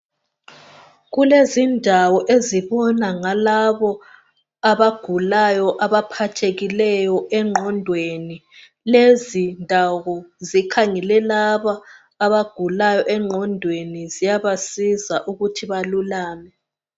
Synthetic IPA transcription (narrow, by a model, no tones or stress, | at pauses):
ɣulezindʱawɔʔeziβɔnaŋalaβɔ | aβaɡ̥ʱulajɔʔaβapʰatʰeɣilɛjɔɛŋ͡ǁʱɔndʱweni | lezindʱaɣɔzikʰaŋɛlɛlaβaː | βaɡ̥ʱulajɔʔɛŋ͡ǃʱɔndʱwenizijaβasizaʔuɣutʰiβalulaːmɛ